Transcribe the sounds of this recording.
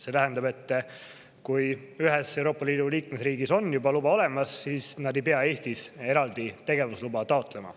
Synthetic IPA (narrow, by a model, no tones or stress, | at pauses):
se̞t̪æɦænd̪ɑbe̞t̪ˑː | kuj | yɦe̞se̞wɾo̞ːpːˑɑliːd̪uliːkmesriːɡiso̞njubɑlubɑo̞le̞mɑsːiːsnɑd̪e̞jpe̞ɑe̞ːst̪ise̞ɾɑld̪̥it̪e̞ɡ̥e̞vuslubɑt̪ɑo̞t̪ˑle̞mɑ̰